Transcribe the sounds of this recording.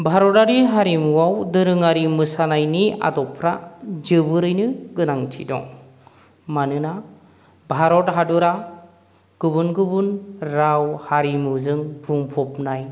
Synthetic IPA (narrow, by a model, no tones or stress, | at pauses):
bʱaɾɔtaɾiɦaɾimuwawdɯɾɯŋaɾimɯsanajnia̰dɔpʰɾad͡ʒɯbɯɾɯjnɯɡɯnaŋtʰḭdɔ̰ŋ | manɯna | bʱaɾɔt̚ɦaduɾa | ɡ̥ɯbunɡɯbunɾawhaɾimɯzɯŋbʰuŋpʰɔp̚naj